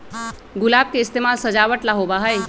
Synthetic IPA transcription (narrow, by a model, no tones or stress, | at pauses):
ɡʊlab̚keist̪emalsəd͡ʒaʋəʈlaɦobaɦəj